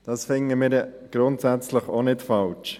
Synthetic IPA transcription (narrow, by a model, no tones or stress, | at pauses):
d̥ɑsfɪŋəmɪːɾ | ɡ̥ɾʊntsæt͡sləχonɪtfɑlt͡ʃ